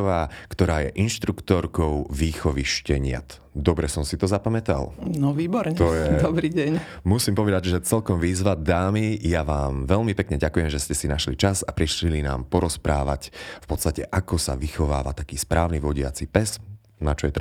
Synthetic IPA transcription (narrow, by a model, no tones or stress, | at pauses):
ɔʋaːkt̪ɔɾaːjɛ̰ʔinʃt̪ɾukt̪ɔɾkɔʊʋiːxɔʋiʃcɛɲɪa̰t̪ | d̪ɔbɾɛsɔmsit̪ɔzapamɛt̪a̰lnɔʋiːbɔɾɲɛt̪ɔjɛd̪ɔbɾiːɟɛɲ | musimpɔʋɛd̪aɟʒɛt͡sɛlkɔmʋiːzʋad̪aːmijaʋaːmʋɛʎmipɛkɲɛɟakujɛmʒɛscɛsinaʃlit͡ʃazapɾiʃlina̰ːmpɔɾɔspɾaːʋacfpɔt̪st̪acɛʔakɔsa̰ʋixɔʋa̰ːʋa̰t̪akiːspɾaːʊniʋɔɟɪa̰t͡sipɛz | nat͡ʃɔjɛt̪